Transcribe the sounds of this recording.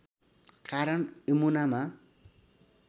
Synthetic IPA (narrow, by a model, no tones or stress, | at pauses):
kaɾʌɳemunama